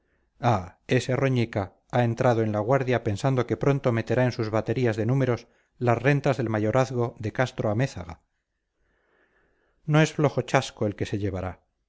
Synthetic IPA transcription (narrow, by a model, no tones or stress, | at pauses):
ae̞sero̞ɲika | ae̞nt̪ɾʔað̞oe̞nlaɣ̞waɾðjape̞nsand̪oke̞pɾo̞nt̪o̞me̞t̪e̞ɾae̞nsuzβat̪e̞ɾiazðe̞nũme̞ɾo̞s | lasrent̪azðe̞lmaʝo̞ɾaθɣo̞ðe̞kast̪ɾoame̞θaɣa | no̞e̞sflo̞xo̞t͡ʃasko̞e̞lke̞se̞ʎe̞βaɾa